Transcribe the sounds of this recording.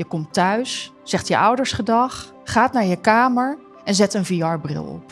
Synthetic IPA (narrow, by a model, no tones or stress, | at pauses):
jəkɔmtœɥsː | ɛχtjəʔɔwdəɹsχədɑχ | χaːtnaːɹjəkaːməɹ | ʔɛnzɛtənvijɑɹbrɪ̰lˠɔ̰p